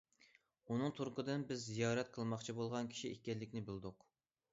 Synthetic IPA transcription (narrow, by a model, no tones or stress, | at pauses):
unɨŋt̪ʰuɾqʰəd̪ɨnbɪzːijɑːɾɛt̪̚qʰəlˠmɑχt͡ʃʰibolˠʁɑnkʲʰi̥ʃiekʲɛlːɪkʲnɪbɪlˠd̪ʊq